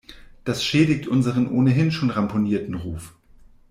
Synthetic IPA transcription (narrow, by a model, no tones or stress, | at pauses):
d̥asʃeːdɪktʰʔʊnzəʁ̞ənʔoːnəɦɪnʃoːnʁampʰoniːɐtn̩ʁuːf